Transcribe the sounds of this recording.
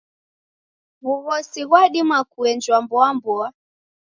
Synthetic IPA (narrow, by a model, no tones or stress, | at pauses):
βuβɔsiɣwaɗimakuɛnd͡ʒwambɔambɔa